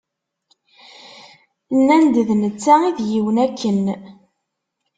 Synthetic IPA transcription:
nænd̪əðnət͡sːæiðjiwənækʰːən

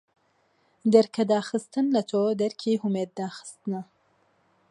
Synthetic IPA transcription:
d̪ɛɾkʰɐd̪aːxɨst̪ɨnlɐt̪ʰoːd̪ɛɾkʰiːɦumeːt̪̚d̪aːxɨ̥st̪ɨnɐ

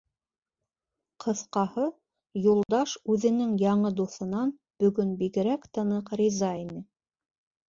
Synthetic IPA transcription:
qʰɤ̆θqɑhɤ | julˠd̪ɑʃʉðɘ̆nɘŋjɑɴɤd̪uθɤ̆nɑn | b̥ɵ̆ɡɵnbiɡɘ̆ɾækt̪ɤ̆nɤqɾʲizɑinɘ

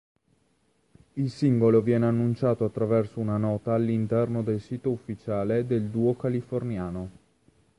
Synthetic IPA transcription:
ilsiŋɡolovjɛːneanːunt͡ʃaːt̪oat̪ːɾavɛrsounanɔːt̪aːlːint̪ɛrnod̪elsiːt̪oufːit͡ʃaːled̪eld̪uːokalifornjaːno

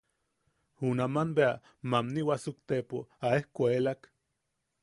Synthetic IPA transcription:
hunamanbea | mamniwasukt̪epoaehkʷaelak

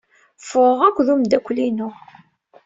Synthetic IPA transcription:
fʊʁækʷːðumd̪ækʷːlinʊ

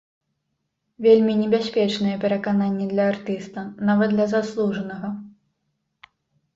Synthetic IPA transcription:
vʲelʲmʲinʲɛbʲasʲpʲɛt͡ʂnɨjɛpʲɛɾɐkananʲːɛd̪lʲɐart̪ɨst̪ɐnavɐt̪d̪lʲɐzaslˠuʐɐnɐɣɐ

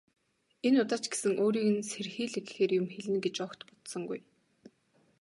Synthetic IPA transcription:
enʊt̪ăːt͡ɕɡ̥e̥sɘ̆ŋʔoːɾiːɣɘ̆nserxiːɮek̆xeːrjʊmxeɮɘ̆nɡet͡ɕɔkt̪pʊ̥t̪sɞ̆ŋɡuj

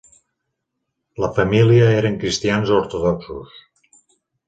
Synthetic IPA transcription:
ləfəmiliəeɾəŋkɾist̪ianzoɾt̪oðɔksus

